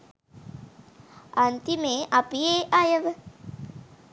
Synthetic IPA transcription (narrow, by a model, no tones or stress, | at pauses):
ant̪imeʔapieʔajəʋ